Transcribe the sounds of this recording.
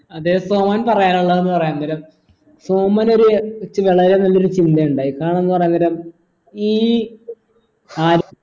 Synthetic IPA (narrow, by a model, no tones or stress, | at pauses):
ɐðesoːmaːnpɐrɐjaːnuɭːɐenːɨpɐrɐjaːnːɐɾɐm | soːmaːno̞ɾut͡ɕʋeɭɐɾenɐlːo̞ɾut͡ɕind̪ɐjuɳɖaːjikaːɳenːɨpɐrɐjaːnːɐɾɐm | iː | aːɾ